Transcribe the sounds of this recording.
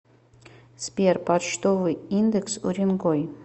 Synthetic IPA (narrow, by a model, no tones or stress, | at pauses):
spʲerpat͡ɕt̪ovɨjind̪əksṵɾʲɪnɡoj